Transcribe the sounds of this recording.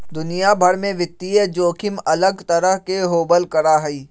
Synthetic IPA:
d̪ʊnijabʱɐɾmẽʋɪt̪ːied͡ʒoːkʰɪmɐləɡt̪ɐɾəɦkeɦoːbəlkɐɾaːɦɐiː

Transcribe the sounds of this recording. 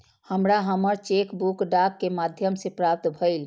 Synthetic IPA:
həmɾaɦəməɾt͡ʃekbukɖakːemad̪ʱjəmsepɾap̚t̪bʱəɪl

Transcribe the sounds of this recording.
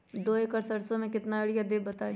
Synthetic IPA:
d̪oːekɐɾsɐɽsõmẽkɪt̪naɐɽijad̪eːbɐt̪aːe

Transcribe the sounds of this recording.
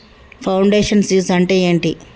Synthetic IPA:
pʰɐwɳɖeːʂɐnsjuːsɐɳʈe̞ːeːɳʈi

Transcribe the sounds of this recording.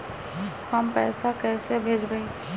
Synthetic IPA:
həmpɛ̰ːsakɛːsebʱeːd͡ʒɡəẽ

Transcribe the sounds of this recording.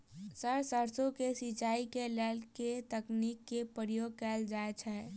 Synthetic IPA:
səɾsəɾsõkesit͡ʃaːikelɛːlket̪əkniːkːepɾjoːɡ̚kɛːld͡ʒaːet͡ʃʰɛː

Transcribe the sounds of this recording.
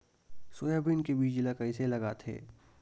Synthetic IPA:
soːjabinkebiːd͡ʒlakaɪselɐɡat̪ʰḛː

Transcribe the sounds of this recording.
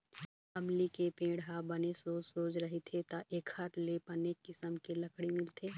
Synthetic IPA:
ɐmlikepẽːɽɦabɐnesoːsoːd͡ʒɾɐɦet̪ʰet̪aʔeːkʰhɐɾlepɐneːkːɪsəmkelɐkʰɽimɪlt̪ʰeː

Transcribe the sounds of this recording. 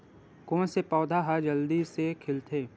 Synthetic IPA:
kõːnsepɔːd̪ʱaɦad͡ʒɐld̪isekʰɪlt̪ʰeː

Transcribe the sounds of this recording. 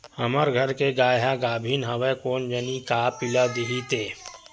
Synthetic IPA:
həməɾɡʱəɾkeɡaːjɦaɡaːbʱiːnɦəʋekoːnd͡ʒənikaːpɪlad̪eɦit̪eː

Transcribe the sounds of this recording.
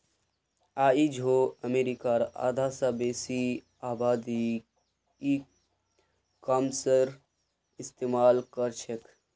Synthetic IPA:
aːid͡ʒʱoəmeɾikaɾa̰d̪ʱasabesi | aːbaːd̪i | ki | kamsəɾ | ist̪eːmalkəɾt͡ʃʰekʰ

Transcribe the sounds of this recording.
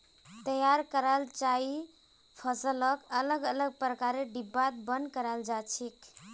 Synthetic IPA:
t̪əjaɾkəɾalt͡ʃai | pʰəsələkələɡələɡ̚pɾəkaɾeɖibat̪̚bənkəɾald͡ʒat͡ʃʰik

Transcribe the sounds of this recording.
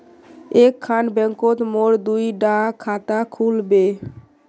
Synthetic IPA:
ekʰːanbɛŋkot̪moɾd̪ujɖãkʰat̪akʰulbe

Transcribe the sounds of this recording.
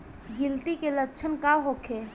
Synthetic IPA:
ɡɪlt̪ikelətːt͡ʃʰənkaɦokʰeː

